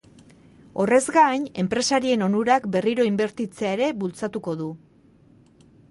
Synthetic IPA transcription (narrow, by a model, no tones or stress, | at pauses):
o̞re̞zɡaɲe̞mpɾe̞saɾie̞no̞nuɾakbe̞riɾo̞imbe̞ɾt̪it͡seaeɾe̞βult͡sat̪uko̞ðu